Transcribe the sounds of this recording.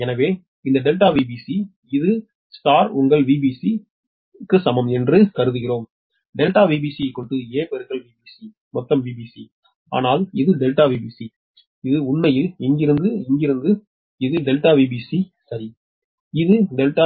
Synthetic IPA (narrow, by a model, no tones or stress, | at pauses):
ɛnɐʋeː | ɪnd̪ɐɖɛlʈaːʋiːbiːsi | ɪðɯ | st̪aːɾʊŋɡɐɭʋiːbisi | kːɯsɐmɐmɛndrɯkɐɾɯðɯɣɪroːm | ɖɛlʈaːʋiːbiːsijɐɪkːɔɽɯʈ̪ːɯeːpɛɾɯɣɐɭʋiːbiːsi | mɔt̪ːɐmʋiːbiːsi | a̰ːnaːlɪðɯɖɛlʈaːʋiːbiːsi | ɪðɯʊɳmɐjɪlɪŋɡɪɾɯnd̪ɯɪŋɡɪɾɯnd̪ɯ | ɪðɯɖɛlʈaːʋiːbiːsi | sɐɾi | ɪðɯɖɛlʈaː